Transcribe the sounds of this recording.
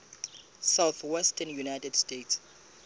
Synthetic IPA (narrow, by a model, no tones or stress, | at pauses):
sawθwɛstʰɛnjunajtɛdstets